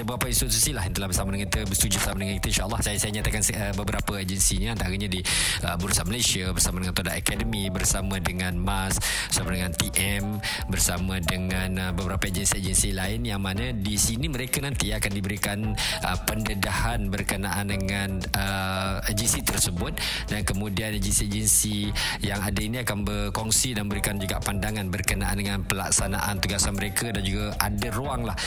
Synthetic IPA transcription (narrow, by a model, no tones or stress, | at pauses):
əbəɾapainst̪ɾot̪usilaɦint̪əlahbərsamadəŋãŋit̪əbəst̪ud͡ʒubərsamadəŋanki̥t̪ainʃaʔəlːɑhsajasajaɲat̪akanəbəbəɾapəed͡ʒənsiɲaant̪aɾəɲadiəbuɾusanməlesiabərsamadəŋant̪odaʔakɛdəmibərsamadəŋãnmas | bərsamadəŋant̪iʔɛm | bərsamadəŋãnəbəbəɾapaed͡ʒənsied͡ʒənsilaɪnjaŋmanadisiniməɾekanant̪iakandibəɾikanʔəpəndədahanbərkənaʔandəŋan | ə | əd͡ʒənsit̪ərsəbʊt̪̚ | dankəmudianed͡ʒənsied͡ʒənsi | jaŋadainiakanbərkɔŋsidanbəɾikand͡ʒuɡa̰ʔpandaŋanbərkənaʔa̰ndəŋanpəlaksanaʔant̪uɡasanməɾekadand͡ʒuɡaʔadəɾoaŋlah